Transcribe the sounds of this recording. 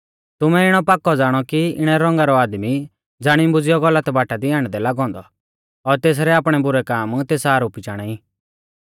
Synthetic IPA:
t̪ʊmɛɪɽ̃ɔpakːɔd͡zaːɽ̃ɔkiɪ̰ɽ̃ɛɾɔ̃ŋɡaɾɔaːd̪mi | d͡zaːɽ̃ĩbʊd͡zɪjɔɡɔlːət̪baːʈad̪iaːɽ̃ɛd̪ɛlaːɡɔ̃ːnd̪ɔ | ɔɾt̪eːs̬ɾɛaːpɽ̃ɛbʊɾɛkaːmt̪eːsaːɾoːpit͡ʃaːɽ̃ai

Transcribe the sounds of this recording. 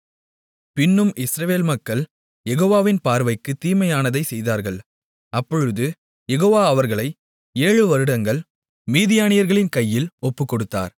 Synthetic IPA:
pɪnːɯmɪsɾɐʋeːlmɐkːɐɭ | jɛɣoːʋaːʋɪnpaːɾʋɐɪkːɯt̪ːiːmɐjaːnɐðɐɪsɛjðaːɾɣɐɭ | ɐpːɔɻɯðɯ | jɛɣoːʋaːɐʋɐɾɣɐɭɐɪ | eːɻɯʋɐɾɯɽɐŋɡɐɭ | miːðɪjaːnɪjɐɾɣɐɭɪnkɐjːɪlɔpːɯkːɔɽɯt̪ːa̰ːɾ

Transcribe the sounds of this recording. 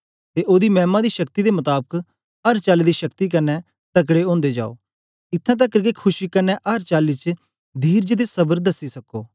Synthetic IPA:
t̪eʔoːd̪imɛːmãd̪iʃɐkt̪id̪emɐt̪aːbək | ɐɾt͡ʃaːlid̪iʃɐkt̪ik̬ɐnːɛ | t̪ɐk̬ɽeõːnd̪ed͡ʒa̰ːo̰ː | ɪt̪ʰːãt̪̬ɐkːəɾkekʰʊʃikənːɛʔɐɾt͡ʃaːlit͡ʃ | d̪ʱiːɾd͡ʒed̪esɐbəɾd̪ɐsːisɐkoː

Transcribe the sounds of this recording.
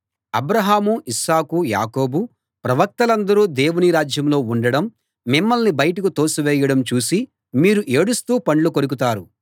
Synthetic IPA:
ɐbɾɐɦaːmuisaːkuja̰ːko̞ːbu | pɾɐʋɐk̚t̪ɐlɐnd̪ɐɾuːd̪e̞ːwuniɾaːd͡ʒjɐmlo̞ːuɳɖɐɽɐmː | imːɐlnibɐjɐʈɐkut̪o̞ːsuʋɛːjɐɽɐmt͡ʃuːsi | miːɾuʔe̞ːɽust̪uːpɐɳlukoɾuk̬ut̪aːɾu

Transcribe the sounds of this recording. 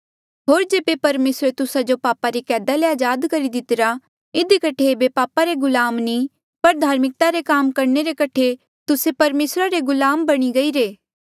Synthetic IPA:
ɦoːɾd͡ʒeːbepɐɾmeːsɾet̪ʊsad͡ʒopaːpaɾikɛːd̪aleaːd͡ʒaːd̪kɐɾid̪ɪt̪ɪɾa | ɪd̪ikɐʈʰebepaːpaɾeɡʊlaːmni | pɐɾd̪ʱaːɾmɪk̚t̪aɾekaːmkɐɾneɾekɐʈʰe | t̪ʊsepɐɾmeːsɾaɾeɡʊlaːmbɐɽ̃iɡɐiːɾeː

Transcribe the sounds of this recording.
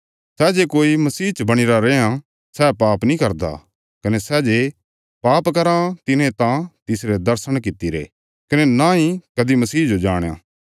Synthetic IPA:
sɛːd͡ʒekoːimɐsiːt͡ʃəbɐɽ̃ɪɾaɾeã | sɛːpaːpnĩkɐɾd̪a̰ | kɐnɛsɛːd͡ʒe | paːpkɐɾãt̪ɪnẽt̪ãt̪ɪsɾed̪ɐɾsəɽ̃k̬ɪt̪iɾḛ | kɐnenaɦĩkɐd̪imɐsiːd͡ʒod͡ʒaːɽ̃ja̰ː

